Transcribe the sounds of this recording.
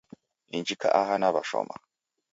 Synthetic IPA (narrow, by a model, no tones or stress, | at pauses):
iɲd͡ʒika̰ʔaɦanaβaʃo̰ma